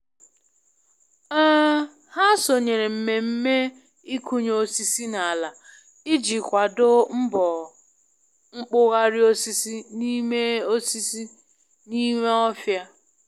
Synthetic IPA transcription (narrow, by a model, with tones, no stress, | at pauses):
a˦ | ha˦so˨ɲe˨ɾe˨m̩˨me˨m̩˦me˦ | i˦ku˦ɲ˦o˨si˦si˦na˨a˨la˨ | ɪ˦d͡ʒi˨kʷa˨dʊ˦m̩˦bɔ˨ | ŋ͡m̩˦k͡pʊ˦ɣa˦ɾɪ˦o˦si˦si˦ni˦me˦o˦si˦si˦ | ni˦me˦ɔ˦fja˦